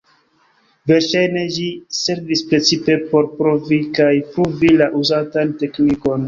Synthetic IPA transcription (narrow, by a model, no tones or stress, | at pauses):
ve̞ɾʃajne̞d͡ʒise̞ɾvispɾe̞t͡sipe̞po̞ɾpɾovikajpɾovilaʔuzatante̞kniko̞n